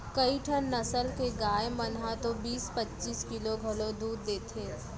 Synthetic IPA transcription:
kɐiʈʰənːɐsəlkeɡaːjmɐnɦat̪obiːspɐtːt͡ʃiːskɪloɡʱɐlõd̪uːɾd̪eːt̪ʰeː

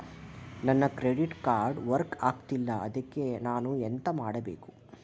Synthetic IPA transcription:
nɐnːɐkɾeɖiʈkaːɾɖʋɐɾkaːkt̪ilːɐʔɐd̪ɐkːe̞naːnuent̪ɐmaːɽɐbḛːku̥

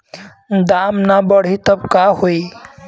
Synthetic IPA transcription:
d̪aːmnabəɽ̤it̪əbkaɦoi

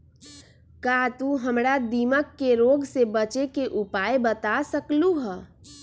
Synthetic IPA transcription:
kat̪uɦəmɾad̪iməkːeɾoːɡsebət͡ʃekeʔupaːebət̪asəkluɦə

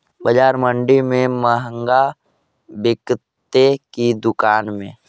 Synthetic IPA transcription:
bəd͡ʒaːɾmə̃ɳɖimẽməɦə̃ŋɡa | bɪkt̪ekid̪ʊkaːnmḛ̃ː

